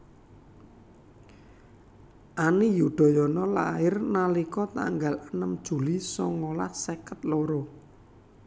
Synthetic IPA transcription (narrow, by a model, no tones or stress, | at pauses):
ʔanijuɖ̪̥ɔ̤jɔnɔla̰ɪrnalikɔt̪a̰ŋɡalənəmd̥ʒ̥ṳlisɔŋola̰hsekət̪̚loɾo